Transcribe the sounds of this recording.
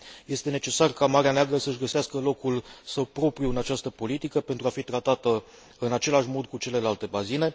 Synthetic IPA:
je̞st̪e̞ne̞t͡ʃe̞sarkamaɾeaneaɡɾəsəɨʒɡəseaskəlo̞kulsəwpɾo̞pɾiuɨnat͡ʃast̪əpo̞lit̪ikəpe̞nt̪ɾuafit̪ɾat̪at̪ə | ɨnat͡ʃe̞laʃmo̞d̪kut͡ʃe̞le̞lalt̪e̞bazine̞

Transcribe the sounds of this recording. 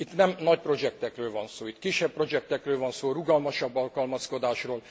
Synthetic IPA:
it̪nɛmnɒc̚pro̞d͡ʒɛk̚t̪ɛkrøːlvɒnsoːit̪kiʃːɛppro̞d͡ʒɛk̚t̪ɛkrøːlvɒnsoːruɡɒlmɒʃɒbːɒlkɒlmɒsko̞d̪aːʃroːl

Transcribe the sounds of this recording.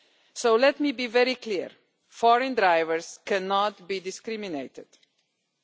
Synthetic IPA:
soʊlɛt̚mibivɛɹikʰliɹ | fɔɹɨ̃ndɹaɪvəɹz̥kʰɛ̃nɔt̚bidɪskɾimineɪtɪd̥

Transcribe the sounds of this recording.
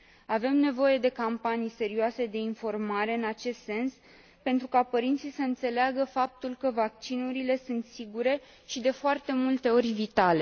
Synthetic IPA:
ave̞mne̞vo̞je̞d̪e̞kampanijse̞ɾioase̞d̪e̞info̞rmaɾe̞ɨnat͡ʃe̞st̪se̞ns | pe̞nt̪ɾukapəɾint̪sijsəɨnt̪se̞leaɡəfap̚t̪ulkəvak̚t͡ʃinuɾile̞sunt̪siɡuɾe̞ | ʃid̪e̞foart̪e̞mult̪e̞o̞rʲvit̪ale̞

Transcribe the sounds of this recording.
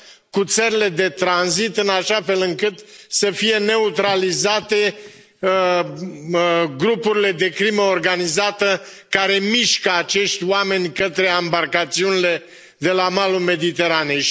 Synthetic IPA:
kut̪səɾile̞d̪e̞t̪ɾanzit̪ɨnaʃafe̞lɨŋkɨt̪səfije̞ne̞ut̪ɾalizat̪e̞ | ɡɾupuɾile̞d̪e̞kɾiməorɡanizat̪ə | kaɾe̞miʃkəat͡ʃe̞ʃt̪ʲwame̞nʲkət̪ɾe̞ambarkat̪siunile̞ | d̪e̞lamalume̞d̪it̪e̞ɾaneʃ

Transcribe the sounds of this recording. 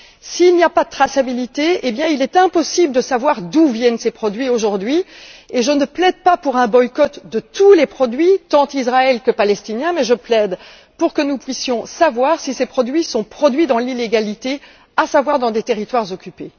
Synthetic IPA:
siːlniapad̪ət̪χasabilit̪eebjɛ̃ilɛt̪ɛ̃pɔsibld̪əsavwaʁd̪uvjɛnsepχɔd̪ɥioʒuʁd̪ɥieʒənəplɛd̪̚papuʁɛ̃bɔjkɔt̪d̪ət̪ulepχɔd̪ɥit̪ɑ̃t̪izʁaɛlkəpalɛst̪injɛ̃mɛʒəplɛd̪ | puʁkənupɥisjɔ̃savwaʁsisepχɔd̪ɥisɔ̃pχɔd̪ɥid̪ɑ̃lileɡalit̪e | asavwaʁd̪ɑ̃d̪et̪eʁit̪waʁzɔkʲype

